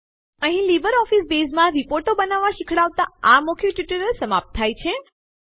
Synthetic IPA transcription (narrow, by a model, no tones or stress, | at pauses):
əɦĩlibəɾɔfisbesmãɾipoɾʈobənaʋːãʃikʰɽaʋt̪aamokʰjiʈiʈəɾəlsəmap̚t̪ʰːajt͡ʃʰe